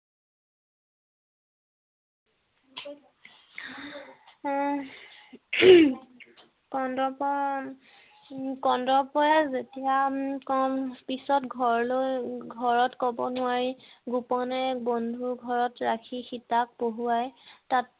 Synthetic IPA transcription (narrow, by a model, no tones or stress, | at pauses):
kɔndɔpɔ | kɔndɹɔpɔjazetijakɔpisɔtɡʱɔɹlojɡʱɔɹɔtkɔbɔnʊaɹiɡupɔnɛbondʱuɡʱɔɹɔtɹakʰixitak̚poɦuajtat̚